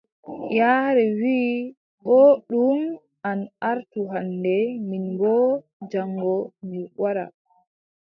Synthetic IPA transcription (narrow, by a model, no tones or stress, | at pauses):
jaːɾɛwiː | ɓɔɗum | ʔanaɾtuɦandɛminbɔ | d͡ʒaŋːɡɔmiwaɾa̰